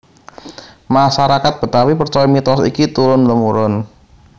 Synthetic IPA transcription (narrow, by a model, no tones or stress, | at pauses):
maʃaɾakat̪̚b̥ə̤t̪awipərt͡ʃɔɔmit̪ɔsḭkit̪uɾʊnləmuɾʊn